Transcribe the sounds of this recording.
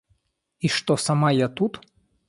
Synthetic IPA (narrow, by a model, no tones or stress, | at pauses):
iʂt̪ɔsamajat̪ut̪